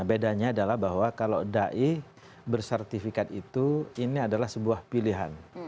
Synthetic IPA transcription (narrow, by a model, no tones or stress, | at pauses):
bedaɲaːdalahbaɦwakalo̰daʔi | bərsɛrt̪ifikat̪̚it̪uiniadalahsəbuahpiliɦa̰n